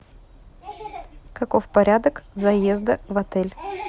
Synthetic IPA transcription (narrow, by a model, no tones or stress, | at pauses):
kɐkofpɐɾʲad̪əkzɐjezd̪əvɐt̪ɛlʲ